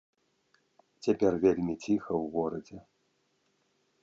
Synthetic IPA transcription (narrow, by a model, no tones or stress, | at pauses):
t͡sʲapʲɛrvʲelʲmʲit͡sʲixɐwɣɔɾɐd͡zʲɛ